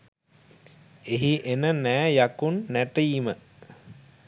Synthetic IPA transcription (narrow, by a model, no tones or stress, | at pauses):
eɦiʔenənæːjakunːæʈəjimə